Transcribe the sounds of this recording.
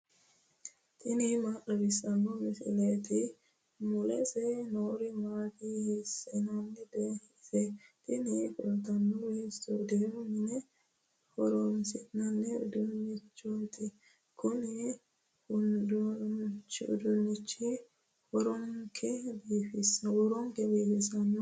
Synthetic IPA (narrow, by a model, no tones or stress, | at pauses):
t̪ʼɪnɪmaʔɔbɪsɐnːɔmɪsɪ̰let̪ɪ | mʊlɛsɛnoːɾɪmaːkɪhɛsɛnɐnːɛd̪ɛ | sɛt̪ʼɪnɪfʼɛlt̪ɐnːɔweːsɔd̪ewmɪnɛ | hɔɾɔnsɪt̪nɐnːɛʊ̰d̪ʊnːɪt͡ʃːɔt̪ɪ | kʊnɛ | hʊnd̪ɔt͡ʃːɪʊd̪ʊnːɪt͡ʃːɪ | hɔɾɔŋkʰɛbiːfɪswɔɾɔŋkɛbiːfɪsɐnːɔ